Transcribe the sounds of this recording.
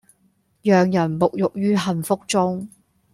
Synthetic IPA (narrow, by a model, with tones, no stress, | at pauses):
jœː˨ŋjɐ˨˩nmʊ˨k̚jʊ˨k̚jyː˥ɦɐ˨nfʊ˥k̚t͡sʊ˥ŋ